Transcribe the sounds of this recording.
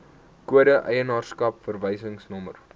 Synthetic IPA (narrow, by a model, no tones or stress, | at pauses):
kuəɾəʔəjənɑːrskɐpfərvəjsəŋsnɔmə̰r